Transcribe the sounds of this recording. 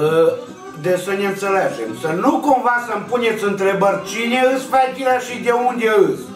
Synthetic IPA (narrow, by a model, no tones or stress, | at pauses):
ə | d̪esənʲeɨnt̪seled͡ʒemsənukomvasəmpunʲet̪sɨnt̪ɾebərʲt͡ʃinʲeɨspaak̪ʲilaʃid̪ʲeund̪ʲeɨs